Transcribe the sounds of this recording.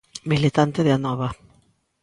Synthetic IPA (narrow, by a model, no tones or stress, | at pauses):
milit̪ant̪eðeanɔβa